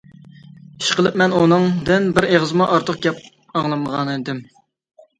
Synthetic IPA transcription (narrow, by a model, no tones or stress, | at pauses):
i̥ʃqəlˠɨp̚mɛnunɨŋd̪ɪnbɪɾeʁəzmɑʔɑɾt̪ʰəq̚ɡʲɛp̚ | ɑŋlˠɨmʁɑnɨd̪ɪm